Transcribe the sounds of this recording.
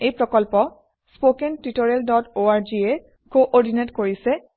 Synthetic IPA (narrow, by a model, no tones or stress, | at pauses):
ejpɹɔkɔlpɔ | spokentitoɹɛldɔtoaɹd͡ʒiɛ | koʔɔɹdinetkoɹisɛ